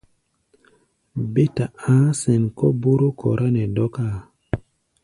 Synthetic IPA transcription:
be˦ta˨ãː˦se˨nkɔ˦bu˦ɾo˦kʰɔ˨ɾʔa˦nɛ˨dɔ˦ka˦˨

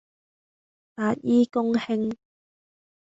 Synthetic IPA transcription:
t̪aː˨˩t̚jiː˦kʊ˥ŋhɪ˥ŋ

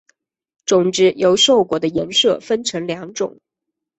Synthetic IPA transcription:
ʈ͡ʂʊ˨˩ŋʈ͡ʂɻ̩˥˩jo˧˥ʊʂo˥˩ʊkwɔ˨˩d̪ə˦jɛ˧˥nʂɤ˥˩fə˥nʈ͡ʂʰɤ˧˥ŋljɑ˧˥ŋʈ͡ʂʊ̰˨˩˦ŋ

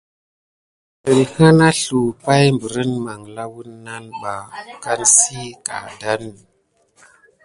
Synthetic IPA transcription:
ə˨lha˦na˦ɬu˨pa˦jmbə˨ɾə˦nma˨ŋla˦wu˦nːa˦nɓa˨ka˦nsi˦ka̰˨da˦n˨

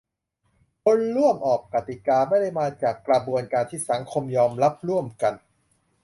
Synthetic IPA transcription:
kʰo˧nɾu˥˩əmʔɔː˨˩k̚ːa˨˩t̪i˨˩kaː˧ma˥˩jda˥˩jmaː˧t͡ɕaː˨˩kːɾa˧bu˧ənkaː˧nt̪ʰiː˥˩sa˩˦ŋkʰo˧mjɔː˧mɾa˦˥p̚ɾu˥˩əmka˧n

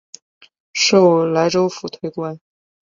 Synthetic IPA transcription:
ʂo˥˩ʊla˧˥ɪʈ͡ʂo˥ʊfu˨˩t̪ʰwe˥ɪkwa˥n

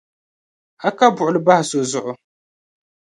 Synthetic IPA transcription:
a˦ka˦bʊ˨ʊ˨lɨ˦ba˦ha˨so˨zʊ˦˨ʔʊ˦

